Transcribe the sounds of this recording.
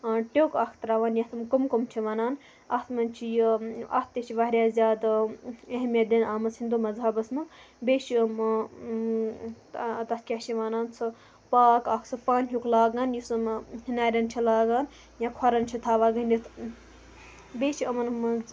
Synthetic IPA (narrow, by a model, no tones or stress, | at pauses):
ʈoːkakʰt̪ɾaːʋaːnjãt̪ʰɐmkomkomt͡ʃʰiʋaːnaːn | at̪ʰmɐnt͡ʃʰijia̰t̪t̪et͡ʃʰiʋaɦɾʲjaːzʲjaːd̪eɦmʲjad̪enaːmɐsʰind̪umɐzɦɐbɐsmɨ | beːʃim | t̪ɐt̪̚ʰkʲaːt͡ʃʰiʋaːnaːnt͡sʰɨ | paːkakʰsʰɨpaːnɦjuklaːɡaːnjisɐmnaːɾʲɐnt͡ʃʰilaːɡaːn | jãkʰaɾɐnt͡ʃʰit̪ʰaːʋaːɡɐnʲit̪ʰ | beːʃiɐmɐnmɐ